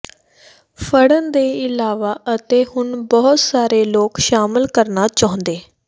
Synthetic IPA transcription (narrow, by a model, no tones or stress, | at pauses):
fʰəɽənd̪eːɪlaːʋaːət̪eːhʊnbɔːt̪saːɾeːloːkʃaːmɪlkəɾnaːt͡ʃaːɦõnd̪eː